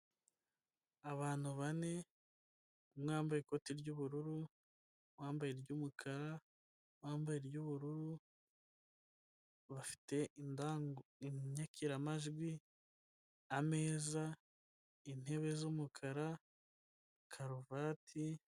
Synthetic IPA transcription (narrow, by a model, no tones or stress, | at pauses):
aβaːn̥huβane̞ | mŋaːmbajeko̞tiɾɟuːβuɾuɾu | mwaːmbajeɾɟuːmukʰaɾa | mwaːmbajeɾɟuβuɾuɾu | βafi̥te̞ | ɲakʰiɾamaʒɡwi | ame̞ːza | in̥he̞βe̞zumukʰaɾa | kʰaɾuvatʰi